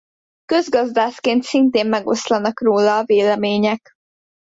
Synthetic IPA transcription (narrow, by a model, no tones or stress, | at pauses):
kø̞zɡɒzd̪aːʃkeːnt̪sint̪eːmːɛɡo̞slɒnɒkroːlɒːveːlɛmeːɲɛk